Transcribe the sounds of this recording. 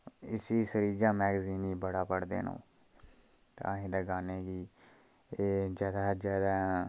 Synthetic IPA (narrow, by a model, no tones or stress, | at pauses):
ɪsiːsəɾiːd͡ʒãːmɛːɡziːniːbəɽaːpəɽd̪ḛːnõ̰ː | t̪ãːɦĩːd̪aɡaːneːɡiː | d͡ʒjaːd̪aːd͡ʒjaːd̪aː